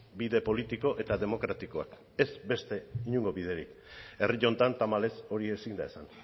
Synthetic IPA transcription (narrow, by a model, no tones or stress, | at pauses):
biðe̞po̞lit̪iko̞ʔe̞t̪aðemo̞kɾat̪iko̞a̰k | e̞zbe̞st̪e̞iɲuŋɡo̞βið̞e̞ɾḭk | e̞riʎo̞nt̪ant̪amale̞so̞ɾie̞sind̪aesan